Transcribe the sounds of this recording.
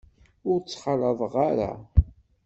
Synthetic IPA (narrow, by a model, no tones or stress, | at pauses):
ʊɾt͡sːχələðˤʁaɾa̰